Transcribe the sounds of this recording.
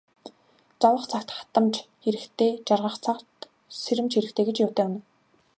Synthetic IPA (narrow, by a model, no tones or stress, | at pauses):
t͡sɔwə̆χt͡sʰakt̪χḁt̪ə̆mt͡ɕxeɾɘ̆kt̪ʰeːt͡ɕarʁə̆χt͡sʰakt̪ | seɾɘ̆mt͡ɕxeɾɘ̆kt̪ʰeːɡet͡ɕjʊ̥ːt̪eːun̆